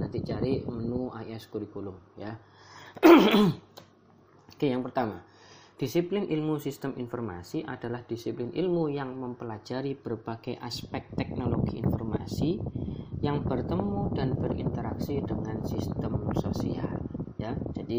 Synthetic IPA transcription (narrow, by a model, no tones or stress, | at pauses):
nant̪it͡ʃaɾimənuaiɛskuɾiɡulʊŋja | kajaŋpərt̪ama | d̥isiplɪnʔilmusist̪əmʔinfɔrma̰siʔadalahd̥isiplɪnʔḭlmujaŋməmpəlad͡ʒaɾib̥ərbaɡ̥ajʔaspɛk̚t̪ɛk̚noloɡiinfɔrma̰si | jaŋbərt̪əmudanb̥ərḭnt̪əɾaksidəŋansist̪əmsosḭa̰ljad͡ʒadi